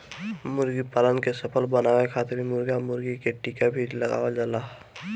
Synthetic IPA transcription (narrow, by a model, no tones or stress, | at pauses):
mʊɾɡipaːlə̃nd̪kesəpʰəlbənaːwekʰaːt̪ɾimʊɾɡamʊɾɡikeʈikabʱiləɡa̰ːwad͡ʒalaː